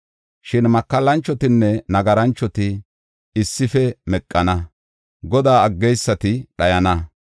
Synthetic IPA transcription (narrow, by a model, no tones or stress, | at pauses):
ʃɪnmɐkːɐlːɐnt͡ʃːɔt̪ɪnːɛnɐɡɐɾɐnt͡ʃːɔt̪ɪ | ɪsːɪfɛmɛkʼːɐnɐ | ɡɔd̪aːɐɡːɛjsːɐt̪ɪɗɐjɐnɐ